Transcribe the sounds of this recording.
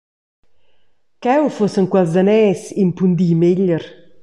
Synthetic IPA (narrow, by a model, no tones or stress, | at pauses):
kɛwfosəŋkwɛlzd̪anɛːsimpund̪iːmeʎːəɾ